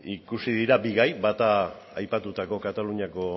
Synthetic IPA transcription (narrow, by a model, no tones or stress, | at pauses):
ikusiðiɾabiɣajbat̪aː | jpat̪ut̪ako̞kat̪aluɲako̞